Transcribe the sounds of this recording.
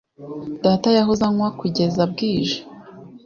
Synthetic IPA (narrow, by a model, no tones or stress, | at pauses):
d̥aːtajaɦuzaŋwakuɟe̞zab̚ɡiːʒḁ